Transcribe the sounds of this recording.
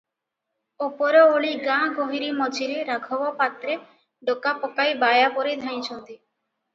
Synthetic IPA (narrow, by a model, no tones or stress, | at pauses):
opɔɾɔoɭiɡãɡoɦiɾimɔd͡ʒʱiɾeɾaɡʱɔbɔpat̪ɾe | ɖokapɔkajbajapɔɾed̪ʱãj̃t͡ʃʰɔnt̪i